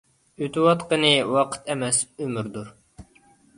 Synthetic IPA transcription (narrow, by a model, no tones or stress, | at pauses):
yt̪ʰwɑt̪qənɨwɑqʰə̥t̪ʰɛmɛsømyɾd̪uɾ